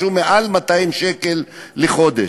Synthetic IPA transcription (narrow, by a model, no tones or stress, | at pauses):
umeʔalmat̪ajimʃekelːeχo̞d̪e